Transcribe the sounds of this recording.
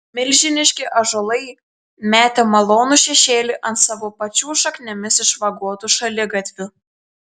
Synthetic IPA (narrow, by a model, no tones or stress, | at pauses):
mʲɪlʲʒʲɪnʲɪʃʲkʲɪʔɐʒolˠɐɪ | mʲæːt̪ʲemɐlˠoːnuʃʲɛʃʲeːlʲɪʔɐnt̪sɑːʋoːpɐt͡ʃʲuːʃɐknʲɛmʲɪsɪʃʋɐɡuɔt̪uʃɐlʲɪɡɐt̪ʲʋʲʊ